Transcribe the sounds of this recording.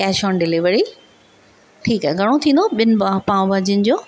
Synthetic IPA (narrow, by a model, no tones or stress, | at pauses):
kɛːʃɔːnɖɪliʋəɾi | ʈʰiːkaɡʱɐɽ̃ot̪ʰĩːn̆d̪oɓɪn̆ɓaːɦpãːʋ̃bʱɐd͡ʑin̆d͡ʑoː